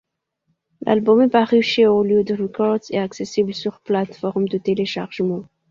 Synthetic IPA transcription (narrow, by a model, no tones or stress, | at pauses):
lʔa̰lbɔmɛpaʁyʃeoljød̪əʁekɔʁd̪zɛ̰t̪aksesibləsyʁplat̪fɔʁmd̪ət̪eleʃaʁʒmɑ̃